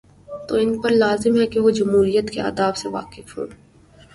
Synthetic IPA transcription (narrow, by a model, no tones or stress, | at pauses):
t̪oɪnpɐɾlaːzɪmɦɛkeʋod͡ʒɐmɦuːɾijət̪kea̰ːd̪aːbseʋa̰ːkɪfɦṵ̃ː